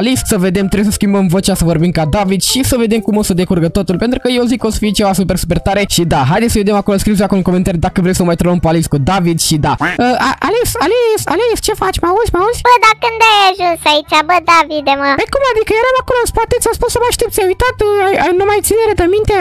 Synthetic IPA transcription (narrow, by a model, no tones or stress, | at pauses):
alissəve̞d̪e̞mt̪ɾebjsəskʲimbəmvo̞t͡ʃʲasəvo̞rbimkad̪avid̪ʃisəve̞d̪e̞mkumo̞səd̪e̞kurɡət̪o̞t̪ulpe̞nt̪ɾukəje̞wozikːəo̞sə̥fiet͡ʃe̞vasupe̞rsupe̞rt̪aɾe̞ʃid̪aɦajd̪esʲsəved̪emakoloskɾizojakooŋkoment̪aɾid̪akəvɾejsəmajt̪ɾolompualiskud̪avid̪ʃid̪aəaʔalesalesa̰lest͡ʃe̞fat͡ʃʲmauzʲmauz̥ʲb̥əd̪akɨnd̪ajaʒunsait͡ʃabəd̪avid̪eməəjkumad̪ikəjeɾamakolospat̪et̪sʲaspunsəmaʃt̪ept̪sʲjajujt̪at̪ajajnumajt̪sineɾəd̪əmint̪e